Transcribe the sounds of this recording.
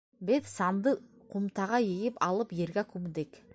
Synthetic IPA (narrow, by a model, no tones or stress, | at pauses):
bet̪sɑnd̪ə | qʰumt̪ɑʁɑjeɡʲɪpɑlˠəpjeɾɡʲækʰumd̪ek